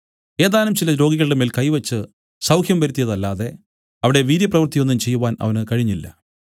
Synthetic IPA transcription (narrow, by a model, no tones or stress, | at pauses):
e̞ːðaːlumt͡ɕilɐɾo̞ːɡiɣɐɭɨɽemeːlkɐjʋɐt͡ɕːɨ | sɐwkʰjɐmʋɐɾut̪ːijɐðɐlːaːðe̞ | ɐʋiɽe̞ʋiːɾjɐprɐʋɨrt̪ijo̞nːumt͡ɕe̞jːuʋaːnɐ̰ʋɐnɨkɐɻiɲːilːɐ̰